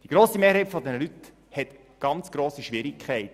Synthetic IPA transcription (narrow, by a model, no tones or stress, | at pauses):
d̥iɡ̥ɾoːsimeːɾɦɛɪtfɔd̪ɛnəlyt | hɛt̪ | ɡ̥ɑnt͡sɡ̥ɾoːsiʃʋɪɾɪkʰχɛɪt